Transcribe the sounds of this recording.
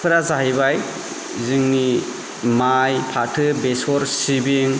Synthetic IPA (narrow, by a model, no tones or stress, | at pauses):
pʰɯɾazaɦibaj | zɯŋni | majpʰatʰɯbesɔɾsibeŋ